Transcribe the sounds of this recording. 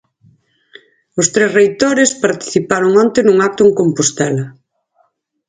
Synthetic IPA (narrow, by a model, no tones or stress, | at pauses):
ʊst̪ɾesrejt̪oɾɪspaɾt̪i̥θipaɾoŋɔnt̪ɪnuŋak̚t̪ʊeŋkompost̪ɛla